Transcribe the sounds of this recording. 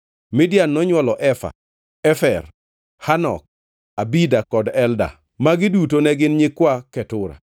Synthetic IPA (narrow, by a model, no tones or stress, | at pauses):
mɪdjanːɔɲwɔlɔʔɛfa̰ | ɛfɛr | hanɔ̰k̚ | abidakɔdɛlda̰ | maɡɪdutonɛɡɪnɲɪkwakɛtʊɾa̰